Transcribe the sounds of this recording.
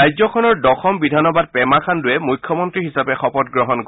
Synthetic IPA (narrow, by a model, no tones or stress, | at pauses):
ajzɔkʰɔnɔɹdɔxʰɔmbidʱanɔbad̚pɛmakʰandʊjɛmujkʰjɔmɔntɹiɦisapɛxɔpɔtɡɹɔɦɔnk